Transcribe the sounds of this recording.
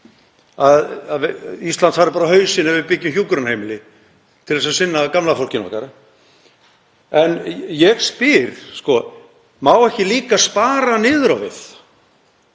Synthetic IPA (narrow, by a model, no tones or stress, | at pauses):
aððvɪist̪lant̪shaɾɪpaːɾaɦœːɥsɪnavɪðpɪcːʏmçjuːkɾʏnhejmɪlɪ | t̪ʰɪlðɛsasɪnːakamlafowl̥cɪnɔ̰hkaɾ | ɛnjɛɣspɪɾ̥skɔ | maːwɛhcɪliːkaspaːɾanɪːðʏɾawvɪθ